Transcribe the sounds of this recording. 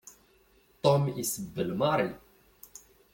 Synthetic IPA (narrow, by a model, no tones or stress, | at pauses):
t̪ɔmisbəlmaɾi